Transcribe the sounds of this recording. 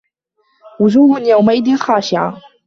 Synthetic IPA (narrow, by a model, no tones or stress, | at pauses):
wʊd͡ʒuːhʊnjawmaʔɪd̪ɪnxaːʃɪʕa̰